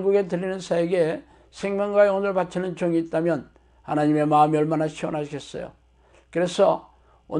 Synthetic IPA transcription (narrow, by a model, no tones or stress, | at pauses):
nɡuɡe̞t̬ɯʎːinɯnsʰaeɡe̞ | sʰe̞ŋmʲjʌŋɡwajonɯɭpat͡ɕʰinɯnt͡ɕoŋiːt̚t͈amjʌn | hanaɲime̞maɯmiʌɭmanaɕʰiwʌ̰nɦaɕʰiɡe̞s͈ʌjo̰ | kɯɾe̞sʰʌ | o̰